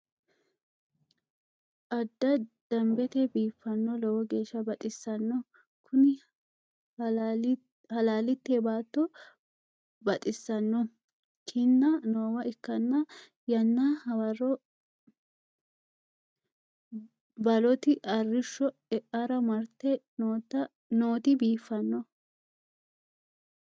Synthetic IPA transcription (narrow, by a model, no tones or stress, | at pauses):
ʔɐd̪ːɐd̪̥ɐmbɛt̪ɛbiːfːɐnːɔlɔwɔɡe̞ːʃːɐbɐt̪ʼɪsːɐnːɔ | kʰʊnɪ | hɐlaːlɪt̪ːeːbaːt̪ːɔ | bɐt̪ʼɪsːɐnːɔ | kʰɪnːɐnoːwɐʔɪkːɐnːɐ | jɐnːɐhɐwɐɾɔ | bɐlɔt̪ɪʔɐrːɪʃːɔɛʔɐɾɐmɐɾt̪ːɛ | t̪ | noːt̪ɪbiːfːɐnːɔ